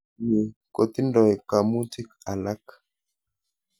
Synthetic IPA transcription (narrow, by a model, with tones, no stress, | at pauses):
ɲi˨ko˨t̪i˦ndɔ˨jka˨mu˦ti˦ka˨la˦k